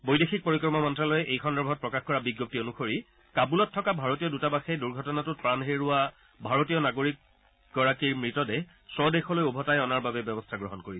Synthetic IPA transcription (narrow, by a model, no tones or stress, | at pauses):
bojdexʰik̚poɹikɔɹmɔmɔntɹalɔjɛʔejkʰɔndɔbʱɔt̚pɹɔkaxkɔɹabiɡjop̚tionuxoɹi | kabulɔtʰːɔkabʱaɹotijɔdutabaxɛduɹɡʱɔtɔnatʊt̚pɹanɦeɹʊa | bʱaɹotijɔnaɡoɹik̚ | ɡɔɹakiɹmɹitɔdɛ | sɔdexɔlojobʱɔtajɔnaɹbabɛbɔbɔstʰaɡɹɔɦɔnkoɹi